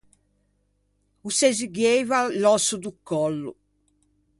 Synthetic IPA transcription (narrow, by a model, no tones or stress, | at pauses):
usɛziɡɛjvalɔsud̪ukːɔlːṵ